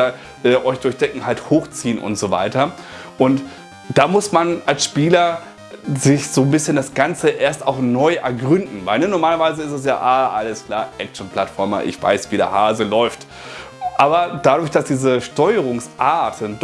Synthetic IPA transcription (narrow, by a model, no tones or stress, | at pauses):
ɐ | ʔɛːʔɔʏçd̥ʊɐçd̥ɛŋkŋ̩halthoːxt͡siːənʔʊ̰ntz̥oːva̰ɪtɐ | ʔʊnt | d̥aːmʊsmanalsʃpiːlɐ | zɪçz̥oːnbɪsçəndasɡ̥ant͡səʔeːɐstaʊxnɔʏʔɛɐɡʁʏndn̩vaɪlnənɔɐmaːlɐvaɪzəɪstɛs̬ja̰ːʔaːʔaləskl̥aːʔɛk̚t͡ʃn̩pl̥atfɔɐmɐ̰ʔɪ̰çv̥a̰ɪsv̥iːdḛɐhaːzəlɔʏft | ʔaːbɐd̥adʊɐçd̥asd̥iːzəʃtɔʏəʁ̞ʊŋsʔaɐtənd